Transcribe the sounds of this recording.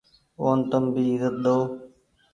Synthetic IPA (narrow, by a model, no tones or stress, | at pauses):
oːnt̪əmbiːzət̪̚ɗ̪oː